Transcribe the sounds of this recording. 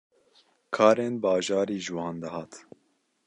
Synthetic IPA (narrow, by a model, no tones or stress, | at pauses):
kʰɑːɾeːnbɑːʒɑːɾiːʒɨwɑːnd̪ɛhɑːt̪